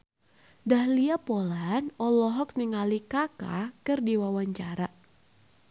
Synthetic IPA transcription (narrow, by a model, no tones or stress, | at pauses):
dahliapɔlanɔlɔɦɔk̚niŋalikaka̰kɨrdiwawaɲt͡ʃaɾa